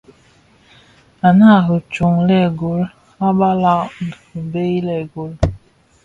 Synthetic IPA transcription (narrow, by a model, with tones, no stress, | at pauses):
a˨na˦˨ɦo˨t͡ʃu˨ŋlɛ˦˨ɡo˨˦l | a˦ba˦la˦˨ | u˨be˦i˦lɛ˨ɡo˨l